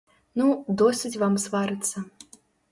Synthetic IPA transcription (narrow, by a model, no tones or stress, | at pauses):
nud̪ɔsʲɨt͡sʲvamsvaɾɨt̪sːɐ